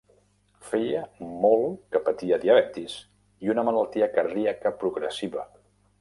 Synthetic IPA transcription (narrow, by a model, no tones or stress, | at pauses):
fejəmolˠkəpət̪iəðiəβɛt̪iz̥ | iunəmələlˠt̪iəkəɾðiəkəpɾuɣɾəsiβə